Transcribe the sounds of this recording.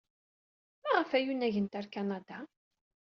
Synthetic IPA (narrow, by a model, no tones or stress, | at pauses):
mæʁəfæjunæʝənt̪aɾkanɑd̪a